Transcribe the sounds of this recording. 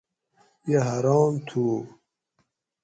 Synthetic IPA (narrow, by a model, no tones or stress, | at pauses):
jeɦaɾɑːmt̪ʰuː